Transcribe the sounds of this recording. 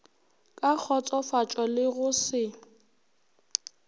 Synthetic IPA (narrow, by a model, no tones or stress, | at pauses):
kʼak͡xʰɔt͡sʼɔfat͡ʃʼɔlɪɣʊsɪ